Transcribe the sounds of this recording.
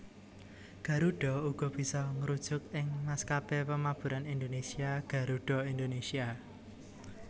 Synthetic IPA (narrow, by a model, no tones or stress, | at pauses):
ɡ̥ä̤ɾuɖ̥ɔ̤uɡ̥ɔ̤b̥i̤sɔŋəɾud̥ʒ̥ʊkɪŋmaskapepəmab̥ṳɾanind̪onesiaɡ̥a̤ɾuɖ̥ɔ̤ind̪onesia